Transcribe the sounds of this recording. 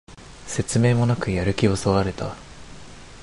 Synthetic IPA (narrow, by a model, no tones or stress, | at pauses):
se̞t͡sɨme̞ːmo̞nakɯ̟jaɾɯ̟kʲiosoβaɾe̞t̪a